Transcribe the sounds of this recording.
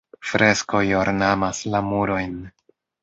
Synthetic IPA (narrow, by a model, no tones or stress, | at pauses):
fɾe̞sko̞joɾnamaslamuɾo̞jn